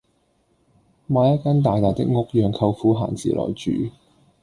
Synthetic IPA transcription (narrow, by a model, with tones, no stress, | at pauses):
maː˨˧jɐ˥t̚kaː˥nt̪̬aː˨jt̪aː˨jt̪ɪ̰˥k̚ŋʊ˥k̚jœː˨˧ŋkʰɐ˧wfuː˨˥ɦa̰ː˨˩nt͡sḭː˨˩lʔɔ̰ː˨˩jt͡ʃy̰ː˨˩